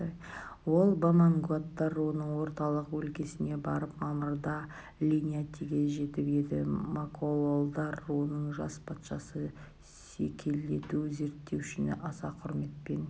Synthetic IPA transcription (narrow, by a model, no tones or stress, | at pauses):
wo̞lˠbamaŋɡuat̪ːɑɾwo̞nəɴwo̞ɾt̪ɑlˠəqwɵlkʲe̞sɪne̞bɑɾəpmɑməɾd̪ɑ | lʲinʲijat̪ʰiɡʲe̞ʒe̞t̪ɪpe̞d̪ɪ̰makʰololˠd̪ɑɾwo̞nəɴʒɑspʰɑt̪ʃɑsə | sekʲʰe̞ld̪e̞t̪uze̞ɾt̪ːe̞wʏʃɪnʔɑsɑqʰʊɾme̞t̪̚pe̞n